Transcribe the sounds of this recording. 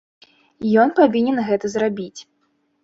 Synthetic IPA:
jɔnpavʲinʲɛnɣɛt̪ɐzrabʲit͡sʲ

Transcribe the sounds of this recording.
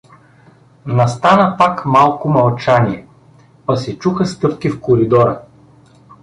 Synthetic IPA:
nɐst̪anəpakmalˠkʊmɐlˠt͡ʃaniɛ | pɐsɛt͡ʃuxəst̪ɤp̚k̟ifkoɾid̪ɔɾə

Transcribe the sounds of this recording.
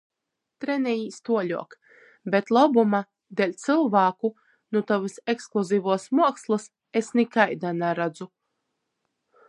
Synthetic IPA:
t̪ɾɛnɛjiːst̪uɔlʲṵɔk | bet̪lˠɔbuma | d̪elʲt̪sɨlˠvaːku | nut̪ɔvɨseksklˠuziːvuɔsmuɔkslˠɨs | esnikajd̪anaɾad̪zu

